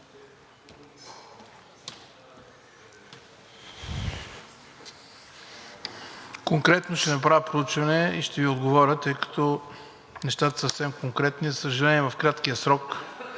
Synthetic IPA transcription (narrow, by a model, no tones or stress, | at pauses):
koŋkɾɛt̪noʃt̪ɛnɐpɾavʲəpɾout͡ʃvɐnɛiʃt̪ɛviod̪ɡovɔɾʲət̪ɤjkɐ̥t̪ɔ | nɛʃt̪at̪əsəfsɛmkoŋkɾɛt̪nizəsəʒɐlɛnʲiɛvɐfkɾat̪kiəsɾɔk